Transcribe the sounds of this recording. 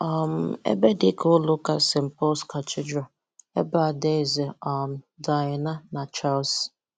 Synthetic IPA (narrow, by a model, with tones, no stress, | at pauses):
a˨m̩˨ḛ˦be˦dɪ˦kʰo˦lʊ˦ka˦sɪ˨m̩˨pɔ˦ska˨tɪ˦d͡ʒɾa˨ | e˦ba˨de˦˨zɪ˨ɔ˨n̩˨ | da˨ɪ˨na˦na˨t͡ʃa˦ls